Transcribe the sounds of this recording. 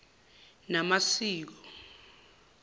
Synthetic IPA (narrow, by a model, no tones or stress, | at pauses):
namasiːk̬ɔ